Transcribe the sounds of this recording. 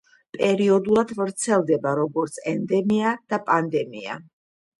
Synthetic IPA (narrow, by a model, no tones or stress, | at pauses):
pʼɛɾiɔd̪ulˠad̪vɾt̪sʰɛlˠd̪ɛbaɾɔɡɔɾt̪sʰɛnd̪ɛmiad̪̥apʼand̪ɛmia̰